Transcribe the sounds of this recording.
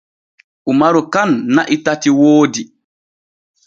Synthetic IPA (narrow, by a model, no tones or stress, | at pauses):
ʔumaɾɔkanːaʔitatiwoːdi